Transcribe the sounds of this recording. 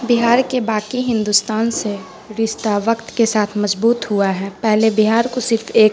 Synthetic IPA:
bɪɦaːɾkebaːkiɦɪ̃nd̪ʊst̪aːnse | ɾɪʃt̪aʋəkt̪kesaːt̪ʰmɐzbuːt̪ɦuaɦɛːpɛɦlebɪɦaːɾkosɪɾfʰeːk

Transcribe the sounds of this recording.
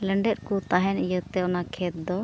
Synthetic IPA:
ləɳɖɛt̪̚kut̪aɦɛnijət̪ɛɔnakʰɛt̪̚d̪ɔ

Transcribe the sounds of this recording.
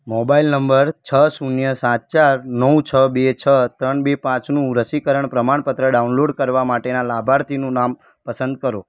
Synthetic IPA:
mobailnəmbəɾt͡ʃʰəsunjəsãt̪̚t͡ʃaɾnəũt͡ʃʰəbet͡ʃʰət̪ɾəɳbepãt͡ʃnũɾəsikəɾəɳpɾəmaɳpət̪ɾəɖaunloɖkəɾʋamaʈenalabʱaɾt̪ʰinũnam | pəsənd̪̚kəɾo

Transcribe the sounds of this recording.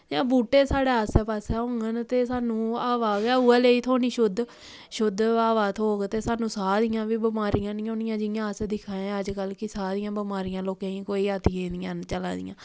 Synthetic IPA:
d͡ʒãːbuːʈːeːsaːɽeːaːsɛpaːsɛːɦõːŋɡənt̪eːsaːnũːaːʋaːɡɛːuːɛːleːiːt̪ʰoːñiːʃʊd̪ | ʃʊd̪aːʋaːt̪ʰoːɡt̪eːsaːnũːsaːd̪ɪjãːʋiːbəmaːɾɪjãːnɪjõːnɪjãːd͡ʒɪnjãːəsd̪ɪkʰːãːẽəd͡ʒkəlkɪsaːd̪ɪjãːbəmaːɾɪjãːloːkẽːiːkoːiːat̪iẽːd̪ijãːnt͡ʃəla̰ːd̪ɪ̰jã̰ː

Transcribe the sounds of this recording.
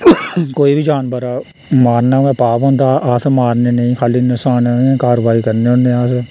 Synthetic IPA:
koːiːbiːd͡ʒaːnbəɾaː | maːɾnaːɛ̃ːpaːpɦɔ̃ːnd̪aaːsmaːɾneːneĩːkʰaːliːnɪsaːnaːɛ̃ːkaːɾʋaːiːkəɾneːɦõːnd̪eːaːse

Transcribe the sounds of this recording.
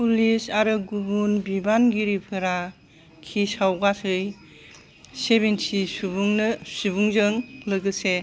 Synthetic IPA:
pulisaɾɯɡubunbibanɡiɾipʰɯɾa | kʰisawɡatʰɯj | seβensisubuŋnɯsibuŋzɯŋlɯɡɯse

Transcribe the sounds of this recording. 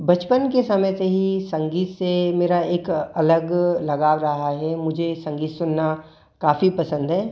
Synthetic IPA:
bɐt͡ʃpənkesɐməjseɦisɐ̃ŋɡiːt̪semeːɾaeːkɐləɡlɐɡaːʋɾɐɦaɦɛmʊd͡ʒʱesɐ̃ŋɡiːt̪sʊnːa | kaːfipɐsə̃nd̪ɦɛː

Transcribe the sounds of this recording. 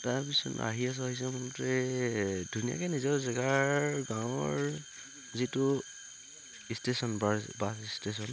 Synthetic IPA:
taɹpisɔ̰na̰ɦias̬aɦis̬ɛmɔntɹɛ | dʱunija̰kɛnizɔɹzɛɡaɹɹɡãwɔɹ | zitʊ | istesɔnbabasistes̬ɔn

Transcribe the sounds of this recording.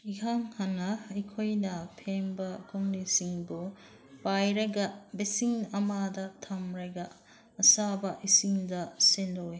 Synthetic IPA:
iɦaŋhanːɐɐjkʰojnɐpʰembɐkɔŋnisiŋbu | pajɾɐɡabesiŋɐmadɐtʰamɾajɡaː | sabɐʔisiŋdɐsendoj

